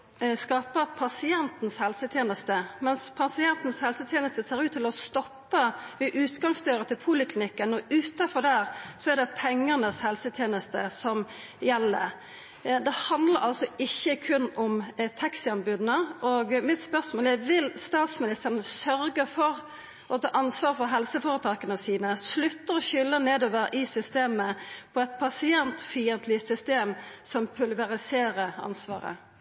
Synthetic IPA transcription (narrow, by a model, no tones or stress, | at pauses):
skɑːpəpʰɑsɪɛnt̪n̩shɛlsət̪ʰjeːnəst̪əmɛnspʰɑsɪɛnt̪n̩shɛlsət̪ʰjeːnəst̪əseːɾʉːt̪ʰːɪlɔst̪ɔpːəʋɪʔʉːt̪ɡɑŋsd̪œːɾət̪ʰɪlpʰuːlɪkʰlɪnɪkːənɔʉːt̪ɑfɔd̪æɾsɔɛɾd̪ɛpʰɛŋːəʁnəshɛlsət̪ʰjeːnəst̪əsɔm | jɛlːə̰ | d̪ɛhɑnd̪ləɾɑlsɔɪçːəkʰʉnːɔmt̪ʰɑksɪɑnbʉːd̪nəɔɡmɪt̪spœʁsmoːlæʋɪlst̪ɑːt̪smɪnɪst̪əʁnəsœɾɡəfɔɾ | ʔɔt̪ʰɑ̰ːʔɑnsʋɑːʁfɔɦɛlsəfoːɾət̪ʰɑːkənəsiːnəslʉt̪ːəɾɔçʏlːəneːd̪oːʋəɾʔɪsʏst̪eːməpʰɔɛɪt̪̚pʰɑsɪɛnt̪fiːənt̪ʰlɪsʏst̪eːmsɔmpʰʉlʋɛʁɪseːɾəɾɑ̰nsʋɑ̰ːɾə̰